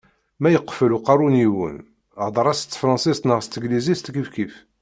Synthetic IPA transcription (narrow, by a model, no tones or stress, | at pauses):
mæjəqːfəluqɑɾˤuniwə̰n | ʕd̪ˤɾˤɑst̪ːfɾˤɑ̃nsist̪nəʁst̪əɡlizist̪ɡəfkif